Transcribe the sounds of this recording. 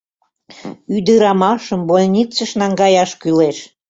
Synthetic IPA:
yd̪əɾɑmɑʃəmbolʲnʲit͡səʃnɑŋɡɑjɑʃkyleʃ

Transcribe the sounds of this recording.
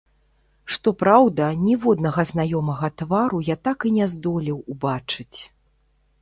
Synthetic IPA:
ʂt̪ɔpɾawd̪ɐnʲivɔd̪nɐɣɐznajɔmɐɣɐt̪vaɾujat̪akinʲɛzd̪ɔlʲiwubat͡ʂɨt͡sʲ

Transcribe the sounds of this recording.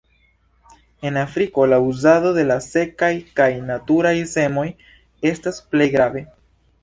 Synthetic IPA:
e̞nafɾiko̞lauzado̞de̞lase̞kajkajnatuɾajse̞mo̞j | e̞stasple̞jɡɾave̞

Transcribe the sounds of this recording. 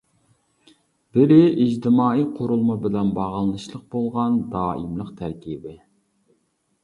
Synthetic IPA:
b̥ɪɾɪʔːd͡ʒt̪ɪmɑːijqʰoɾulˠmɑbɪlɛnbɑʁlˠɨnɨʃlˠəq̚bolˠʁɑnd̪ɑːimlˠəqt̪ʰæɾkʲibɪ

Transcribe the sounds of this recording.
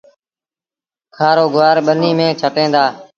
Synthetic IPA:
kʰaːɾoːɡʱʊʋaːɾɓəniːmẽːt͡ʃʰəʈẽːnd̪aː

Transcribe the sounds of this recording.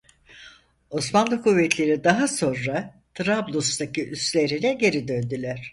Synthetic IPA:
o̞smanlˠɯkʰuvːɛt̪ʰlʲe̞ɾid̪aɦaso̞nɾa | t̪ʰɾablˠust̪acʰiʔyst̪lʲe̞ɾinɛɟe̞ɾid̪ønd̪ylʲæɾ̥

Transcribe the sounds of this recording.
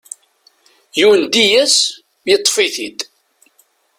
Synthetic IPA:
juwənd̪ijæs | mjt̪ˤːfiθid̪

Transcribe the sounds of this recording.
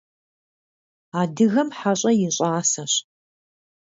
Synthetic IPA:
aːdɨɣɐmħaɕʼɐjɪɕʼaːsɐɕ

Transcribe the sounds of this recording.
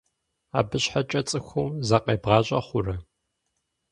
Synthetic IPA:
a̰ːbɨɕħat͡ʃʼɐt͡sʼɨxʷʊwzɐqɐːbʁɑːɕʼɐχʷʊrɐ

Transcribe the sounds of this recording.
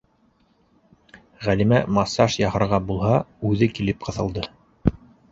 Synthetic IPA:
ʁælimæmɑsɑʃjɑhɤ̆ɾʁɑbulˠɦɑʉðɘkilɘp̚qɤ̆θɤ̆lˠd̪ɤ

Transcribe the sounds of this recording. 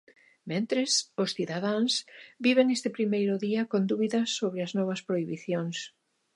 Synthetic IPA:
mẽnt̪ɾɪsʊsθiðað̞aŋsbiβ̞eŋest̪ɪpɾimejɾʊðiɐkond̪uβiðɐsːoβɾɪɐznɔβ̞ɐspɾoiβiθjoŋs

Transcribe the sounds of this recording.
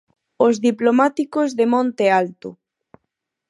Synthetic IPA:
ozðiplomat̪ikozðemõnt̪ealt̪o

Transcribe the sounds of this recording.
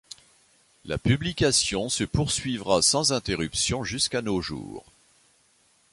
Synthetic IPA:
la̰pyblikasjɔ̃səpuʁsɥivʁasɑ̃zɛ̃t̪eʁypsjɔ̃ʒyskanoʒṵːʁ

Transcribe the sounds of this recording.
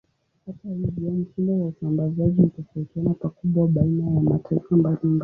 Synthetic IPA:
hatahivɔm̩t͡ʃindɔwausambazaʄiutɔfaitianapakuɓwaɓainajamatʰaifambalimba

